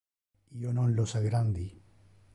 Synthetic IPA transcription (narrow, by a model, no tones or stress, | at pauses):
ionõnlosaɡɾand̪i